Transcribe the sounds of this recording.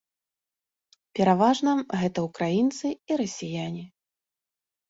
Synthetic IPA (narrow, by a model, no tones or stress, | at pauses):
pʲɛɾavaʐnɐɣɛt̪ɐukɾajint̪sɨiɾɐsʲijanʲi